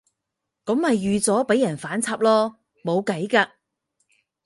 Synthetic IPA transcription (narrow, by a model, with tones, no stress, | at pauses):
kɔ˨˥mhɐ˨jːyː˨t͡sɔː˨˥pe˨˥jːɐ˨˩nfaː˨˥nt͡sʰaː˧p̚lɔː˥ | mo˨˧wkɐ˨˥jkaː˧